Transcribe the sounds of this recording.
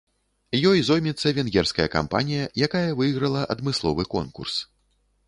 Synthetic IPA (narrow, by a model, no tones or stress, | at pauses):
jɔjzɔjmʲɛt̪sːɐvʲɛnɣʲɛrskɐjɐka̰mpa̰nʲijɐjakajɐvɨjɣɾɐlˠɐʔɐ̰d̪mɨslˠɔvɨkɔ̰nkṵrs